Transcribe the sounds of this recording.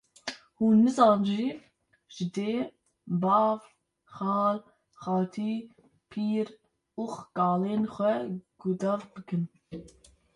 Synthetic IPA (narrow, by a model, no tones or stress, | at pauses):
huːnːɨzɑːnʒi | ʒ̥ɪd̪eː | bɑːv | χɑːl | xɑːt̪ʰiː | pʰiːɾ | uːxkɑːleːnxʷɛɡ̥ud̪ɑːvbɨkʰɨn